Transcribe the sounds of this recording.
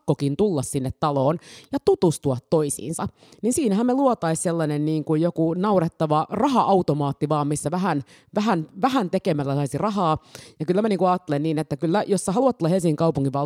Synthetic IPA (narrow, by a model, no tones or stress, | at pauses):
kːokint̪ulːɑssinːet̪t̪ɑloːnjɑt̪ut̪ust̪uɑt̪toisḭːnsɑ | ninsiːnæhæmmeluot̪ɑisselːɑnenniːŋkujjokunɑuret̪ːɑʋɑrɑhɑʔɑut̪omɑːt̪ːiʋɑːmmisːæʋæhæn | ʋæɦænʋæhænt̪ekemælːæsɑisirɑɦɑːjɑkylːæmæniːŋkuɑːt̪ːelenniːnet̪ːækylːæjosːɑhɑluɑt̪ːulːɑhelsiŋːiŋkɑupuŋkiʋʋɑl